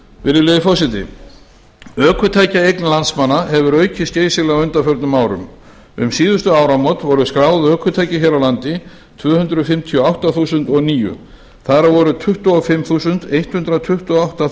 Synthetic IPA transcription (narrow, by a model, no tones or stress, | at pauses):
vɪɾɪleðɪfɔwsɪt̪ɪ̰ | œːkʰʏt̪ʰaːjcaejknlansmanːaɦɛvʏɾœːɥcʰɪsceːjsɪlaʏnt̪afœɾt̪nʏmaːwɾʏ̰m | ʏ̰msiːðʏst̪ʏaːwɾamɔt̪vɔɾʏskɾaːwðœːkʰʏt̪ʰajcɪçɛɾawlant̪ɪ | t̪ʰvœːhʏnt̪ɾʏfɪmt̪ʰiɔawht̪aθuːsʏnt̪ɔɣniːjʏ̰ | θaɾavɔɾʏt̪ʰʏht̪uɔfɪmθuːsʏnt̪ejht̪hʏnt̪ɾat̪ʰʏht̪ʏɔawht̪a